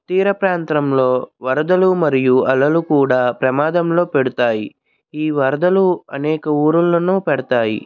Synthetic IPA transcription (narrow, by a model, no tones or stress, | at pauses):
t̪iːɾɐpɾaːnt̪ɾɐmloːʋɐɾɐd̪ɐlumɐɾijuɐlɐlukuːɽaːpɾɐmaːd̪ɐmlo̞ːpeɽut̪aːji | iːʋɐɾɐd̪ɐluɐnɛːkɐuːɾulːɐnuːpɛɽɐt̪aːjḭ